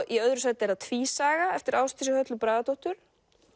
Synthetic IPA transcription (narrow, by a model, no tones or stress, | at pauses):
iœðɾʏsɛt̪ɛɾaðt̪ʰvisaːɣaɛft̪ɪɾaːwst̪ʰɪsʏhœt̪lʏpɾaːðat̪oht̪ʏɾ̥